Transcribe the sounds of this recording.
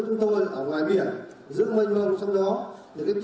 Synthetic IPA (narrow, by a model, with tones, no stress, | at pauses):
t͡ɕʊ˨˦ŋ͡mt̪o˧jʔəː˧˩ŋwaː˨˩jɓi˧˩ən | zɨ̰˧˥əmə̈˧ŋ̟va˧˩mo˨˩t̚sa˧wŋ͡mɗɔ˨˦ɗɨ˨˩kaː˨˦jt͡ɕ